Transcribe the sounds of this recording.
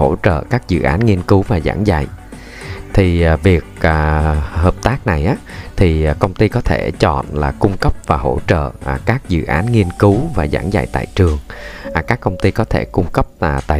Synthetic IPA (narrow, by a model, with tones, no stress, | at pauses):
ho˧˩t͡ɕə̰ː˧˨kaː˦˥k̚zɨ̰˧˨ʔaː˨˦nŋi˧ənkɨ˨˦wvaː˨˩za̰ː˧˩ŋza̰˧˨j | t̪ʰi˨˩˨vi˨˩ək̚aː˨˩həː˨˩p̚t̪aː˦˥k̚na˨˩jʔaː˨˦t̪ʰi˨˩˨kə˧wŋ͡mt̪i˧kɔ˨˦t̪ʰe˧˩t͡ɕɔ̰˧˨nlaː˨˩kʊ˧ŋ͡mkə˦˥p̚vaː˨˩ɦo˧˩t͡ɕə̰ː˧˨˩kaː˦˥k̚zɨ̰˧˨ʔaː˨˦nŋi˧ənkɨ˨˦wvaː˨˩za̰ː˧˩ŋza̰˧˨jt̪a̰ː˧˨jt͡ɕɨ˨˩əŋ˨˩kaː˦˥kːə˧wŋ͡mt̪i˧kɔ˨˦t̪ʰe˧˩kʊ˧ŋ͡mkə˦˥p̚t̪a̰ː˧˨